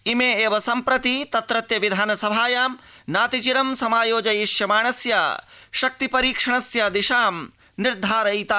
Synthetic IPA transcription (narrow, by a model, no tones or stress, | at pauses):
imeːeːʋɐsɐmpɾɐt̪it̪ɐt̪ɾɐt̪jɐʋid̪ʱaːnɐsɐbʱaːjaːmnaːt̪it͡ʃiɾɐmsɐmaːjoːd͡ʒɐjiʃjɐmaːɳɐsja̰ːʃɐk̚t̪ipɐɾiːkʂɐɳ̃ɐsjad̪iʃaːm | niɾd̪ʱaːɾɐjt̪aː